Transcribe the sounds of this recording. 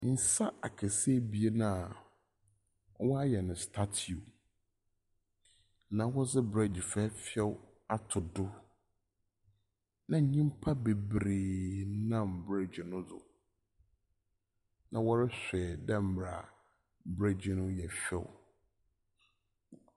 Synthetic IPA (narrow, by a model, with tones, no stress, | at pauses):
n̩˨sa˦a˨kʰɛ˨se˦bi˨e˦nã˦˨˦ | wɔ˦a˦jɛ˨nʊ̃˨stʰa˦tʰi˨u˨ | nã˨wɔ˦sɪ˦bɾɛ˦d͡ʑɪ˨fɛ˦fi˦ɛ˦w | a˨tʰʊ˨dʊ˦ | nã˨ɲĩ˦m˦pʰa˦be˨bɾeː˨nã˦˨mbɾe˦d͡ʑɪ˨nʊ̃˦zʊ̰˨ | nʔã̰˨wɔ˦ɾɪ˦ɕᶣɛ˨dɛ̃˦m˨bɾa˨ | bɾe˦d͡ʑɪ˨nʊ̃˦jɛ˨fɛ̰˦w